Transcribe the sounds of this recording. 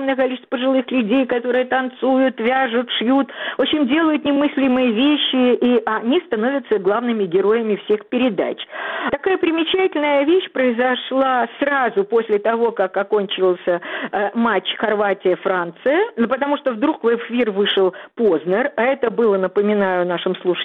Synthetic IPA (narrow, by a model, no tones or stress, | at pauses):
mnəjəkɐlʲit͡ɕɪst̪v̥əpəʐɨlˠɨxlʲʉdʲejkɐt̪o̞ɾɨjət̪ɐnt̪sujʊt̪vʲaʐʊt̪ʂjut̪ot͡ɕɪnʲdʲelˠəjʊt̪nʲɪmɨsʲlʲɪmɨjəvʲeɕːɪiʔɐnʲist̪ɐno̞vʲət̪səɡlˠavnɨmʲɪɡʲɪɾo̞jɪmʲɪfsʲexpʲɪɾʲɪd̪a̰t͡ɕt̪ɐkajəpɾʲɪmʲɪt͡ɕætʲɪlʲnəjəvʲeɕpɾəɪzɐʂlˠasrazʊpo̞sʲlʲɪt̪ɐvo̞kakɐko̞nʲt͡ɕɪlˠsʲəmat͡ɕxɐrvatʲɪjəfɾant̪sɨjənpət̪ɐmuʂt̪ovd̪ɾukvɛfʲirvɨʂɨlˠpoznərɐɛt̪əbɨlˠənəpəmʲɪnajʊnaʂɨmslˠuʂɨ̥